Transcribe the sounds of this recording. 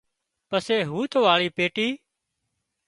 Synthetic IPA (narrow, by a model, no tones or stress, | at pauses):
pəseːɦuːt̪ʰoːʋaːɭiːpeːʈiː